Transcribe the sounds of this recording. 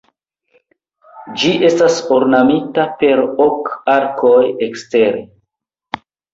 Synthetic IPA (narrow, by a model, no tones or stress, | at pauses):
d͡ʒiʔe̞stasoɾnamitape̞ɾokaɾkʰojekste̞ɾḛ